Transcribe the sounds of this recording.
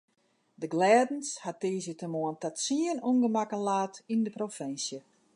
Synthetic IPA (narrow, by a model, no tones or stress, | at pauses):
dəɡlɛːdn̩shatiːzjətəmoəntatsiənuŋɡəmakənlaːtindəprofɪnsjə